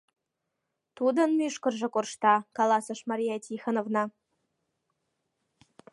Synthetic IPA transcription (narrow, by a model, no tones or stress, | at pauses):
t̪ud̪ə̆nmʲyʃkɤ̆rʒɤ̆korʃt̪ɑkɑlˠɑsɤ̆ʃmɑɾʲijɑjt̪ʲixə̆novnɑ